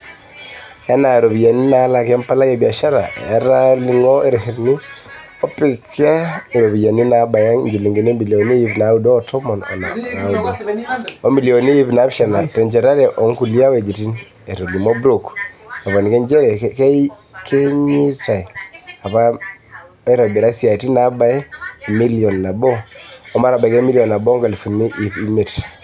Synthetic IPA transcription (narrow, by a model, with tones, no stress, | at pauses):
ja˦na˨ɾo˨bi˨ja˨ni˦na˦la˨kɛ˦mpa˦la˦kɛ˨bi˨a˨ʃa˦ɾa̰˨ɛ̰˨˦ɾa˦li˨ŋo˦e˦ɾhi˨ɾni˦ | ɔ˦pi˦kɛ˦˨ɾo˨bi˨ja˨ni˦na˨ba˨ja˦ŋɲd͡ʒi˨li˨ŋɡi˨ne˦mbi˨li˨ɔ˨ni˦ji˦pna˨˦u˦dɔː˦tʰɔ˦mɔ˨nɔ̰˨na̰˨na˨˦u˨do˦o˦mi˨lio˨ni˦i˦pna˨˦pʃa˨na˨tɛ˨ɲd͡ʒɛ˨ɾa˦ɾɛ˨ʔɔ˨˦ŋku˨li˦a˦we˨d͡ʒi˨ti˦n | e˨to˨li˨mɔ˦bɾo˨ka˨βɔ˨ni˨ke˦nd͡ʒɛ˦ɾɛ˨kke˦ | kʰe˦ɲi˦ta˨i˨a˨pa˦ | e˦ɾa˨bi˨ɾa˦sia˨ti˦na˦ba˦e˦˨mi˦li˨ɔ˨nːa˨bɔ˦ɔ˦ma˦ɾa˨ba˨ke˦mi˦li˨ɔ˨nːa˨bɔ˦ŋɡa˨lfu˨ni˦ʔi˨pi˦me˨t